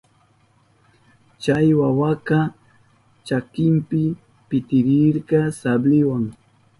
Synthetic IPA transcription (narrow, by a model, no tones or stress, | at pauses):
t͡ʃajwawakɑ | t͡ʃakɪmpɪ | pɪt̪ɪɾɪɾɢɑsablɪwaŋ